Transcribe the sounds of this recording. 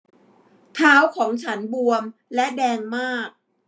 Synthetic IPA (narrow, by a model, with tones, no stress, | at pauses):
t̪ʰaː˦˥wkʰɔː˩˦ŋt͡ɕʰa˦˥nbu˧əmlɛ˦˥ʔdɛː˧ŋmaː˥˩k̚